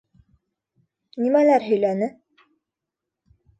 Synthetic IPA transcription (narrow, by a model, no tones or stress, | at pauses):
nimælæɾɦɵ̆jlænɘ